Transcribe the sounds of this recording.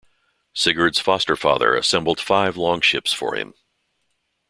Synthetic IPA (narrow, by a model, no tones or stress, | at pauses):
sɪɡə˞dz̥fɑstə˞fɑ̰ðə̰˞ɨsɛ̃mbl̩ˠd̥faɪvlɔ̃ŋʃɪpsfə̰˞ɪ̰̃m